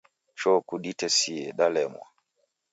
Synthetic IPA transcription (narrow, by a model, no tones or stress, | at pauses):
t͡ʃɔkuɗitɛsiɛɗalɛmwa̰